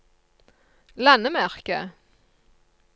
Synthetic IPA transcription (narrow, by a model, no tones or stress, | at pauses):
lanəmæʁkə